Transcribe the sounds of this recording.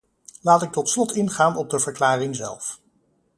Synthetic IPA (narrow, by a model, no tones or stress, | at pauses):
laːtɪk̚tɔtslɔtɪnχaːnɔb̚dəvəɹklaːrɪŋzɛ̰lˠf